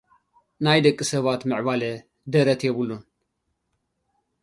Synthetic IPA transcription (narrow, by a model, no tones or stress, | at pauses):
najd̪ɐkʼːɨsɐβat̪mɨʕβalɐ | d̪ɐɾɐt̪ʰjeβulːun